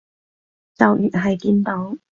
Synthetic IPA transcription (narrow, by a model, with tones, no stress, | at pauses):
t͡sɐ˨wjy˨t̚ɦɐ˨jkiː˧nt̪o˨˥w